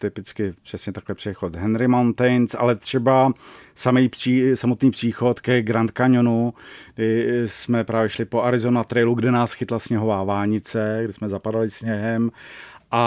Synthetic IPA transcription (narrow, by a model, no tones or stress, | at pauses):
t̪ɪpɪt͡skɪpr̝̥ɛsɲɛt̪aklɛpr̥ɛxot̪ɦɛnɾɪmawnt̪ɛjnsʔa̰lɛt̪r̝̥ɛbasamɛjpr̥iːsamot̪niːpr̥iːxo̞t̪kɛɡɾant̪kaɲonuɡdɪsmɛpɾaːvjɛʃlɪpoʔaɾɪzonat̪ɾɛjluɡdɛnaːsxɪt̪lasɲɛɦovaːvaːlɲɪt͡sɛɡdɪsmɛzapadalɪsɲɛɦɛmʔa